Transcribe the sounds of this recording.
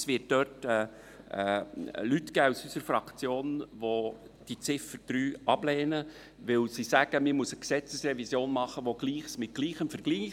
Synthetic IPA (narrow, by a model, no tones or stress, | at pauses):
sʋɪt̚d̥œtɛ | lytɡ̥æːusysəɾfɾɑkt͡sjoːnʋo | d̥it͡sɪfəɾd̥ɾyːʔɑblɛːnə | ʋɪlsisæɡ̥əmɪmusəksɛt͡səsrɛvisjoːnmɑχəʋoɡ̥liːχsmɪt̚ɡ̥liːχəmfəɾɡ̥liː